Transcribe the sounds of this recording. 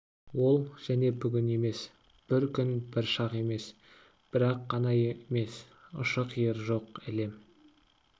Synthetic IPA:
wo̞lˠʒ̥æne̞bʏɡʲɪne̞me̞s | b̥ɪɾkʲʏnbɪɾʃɑqe̞me̞s | b̥ɪɾɑqːɑnɑjeme̞s | ʊ̰ʃəqʰijəɾʒo̞qɪle̞m

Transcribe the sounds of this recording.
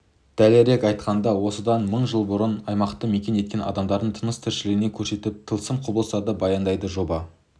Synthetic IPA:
d̪̥æleɾe̞kɑjt̪qɑnd̪ɑwo̞səd̪ɑnməɴʒəlˠbʊɾənɑjmɑqt̪əme̞kʲe̞nje̞t̪̚kʲe̞nʔɑ̰d̪ɑmd̪ɑɾd̪əɴt̪ʰənəst̪ʰɪɾʃɪlɪɡɪne̞kʲʰɵɾse̞t̪ɪp̚t̪ʰəlˠsəmqʰʊbəlˠsɑd̪əbɑjɑnd̪ɑjd̪əʒo̞bɑ

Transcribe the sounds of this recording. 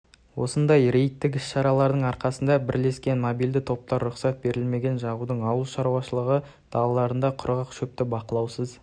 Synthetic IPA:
wo̞̰sənd̪ɑjɾe̞jt̪ːɪk̬ʲɪsʃɑɾɑlˠɑɾd̪əɴɑɾqɑsənd̪ɑbɪɾle̞skʲe̞nmobijld̪ɪt̪ʰo̞p̚t̪ɑɾːʊχsɑt̪̚be̞ɾɪlme̞ɡʲe̞nʒɑʁud̪əɴɑwəlˠʃɑɾuwɑʃəlˠəʁə | d̪̥ɑlˠɑlˠɑɾənd̪ɑqʰʊɾʁɑqʃɵp̚t̪ɪbɑqəlˠɑwsəz

